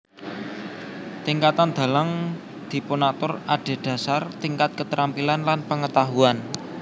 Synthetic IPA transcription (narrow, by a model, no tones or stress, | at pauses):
t̪iŋkat̪and̪̥a̤laŋ | d̪̥i̤ponat̪ɔraɖ̥e̤ɖ̥ä̤sart̪iŋkat̪̚kət̪əɾampilanlanpəŋət̪aɦuan